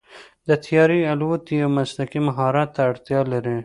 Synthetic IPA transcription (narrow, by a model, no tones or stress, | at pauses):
d̪ət̪ʰjɑːɾialut̪iamaslakimaɦɑɾɑt̪ːaːɽt̪jɑlaɾi